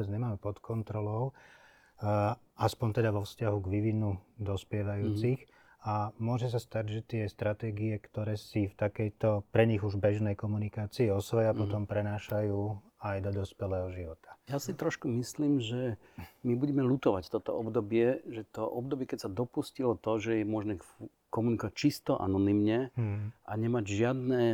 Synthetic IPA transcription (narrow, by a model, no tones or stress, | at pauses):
bɛd͡zɲɛmaːmɛpɔt̪kɔnt̪ɾɔlɔʊ | ʔaspɔnt̪ɛd̪aʋɔfscaɦuɡʋiʋinud̪ɔspɪɛʋajuːt͡six | amʊɔʒɛs̬ast̪aɟʒɛt̪ɪɛst̪ɾat̪ɛːɡiɛkt̪ɔɾɛːsift̪akɛjt̪ɔpɾɛɲiɣuʒbɛʒnɛjkɔmunikaːt͡siːɔsɔjɛapɔt̪ɔmpɾɛnaːʃajuː | ajd̪ɔd̪ɔspɛlɛːɦɔʒiʋɔt̪ʰḁjasit̪ɾɔʃkumisliːmʒɛ | mibuɟɛmɛlut̪ɔʋact̪ɔt̪ɔ̰ɔbd̪ɔbɪɛʒɛt̪ɔʔɔbd̪ɔbɪɛkɛcsad̪ɔpuscilɔt̪ɔʒɛjɛmʊɔʒnɛ | kɔmunikɔʋac̚t͡ʃist̪ɔʔa̰nɔnimɲɛʔa̰ɲɛmaɟʒɪad̪nɛː